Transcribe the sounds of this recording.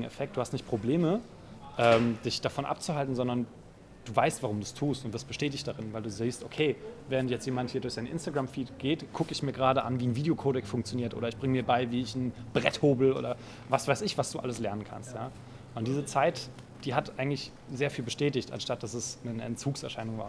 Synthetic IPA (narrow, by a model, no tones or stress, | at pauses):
ŋ̩ɛ̰fɛk̚td̥uːhastnɪçt̚pʁ̥obleːmə | ʔɛːmd̥ɪçd̥afɔnʔa̰p̚t͡suɦaltn̩zɔndɐn | d̥uːvaɪstv̥aʁʊmduːstʰuːstʊntv̥aɐstb̥əʃtɛːt̬ɪçtd̥aʁɪnvaɪduːziːstʔokʰeːvɛːʁ̞əntjɛt͡stjeːmanthiːɐdʊɐçz̥aɪnʔɪ̰nstaɡʁamfiːtɡ̥eːtkʰʊkəɪçmiːɐɡəʁaːdəʔa̰nviːnviːdeokʰoːdɛksfʊŋk̚t͡sjoniːɐtʔo̰ːɾɐɪçb̥ʁɪŋəmiːɐbaɪviːɪçn̩b̥ʁɛthoːbl̩ʔo̰ːɾɐ | vasv̥aɪsɪçv̥asd̥uːʔa̰ləslɛɐnənkʰa̰nstjaː | ʔʊnt̚d̥iːzət͡saɪt | d̥iːɦatʔaɪɡŋ̩tlɪç | zeːɐfiːlbəʃtɛːtɪçta̰nʃtat̚d̥asɛsnənəʔɛ̰nt͡suːksɛɐʃaɪnʊŋvaːɐ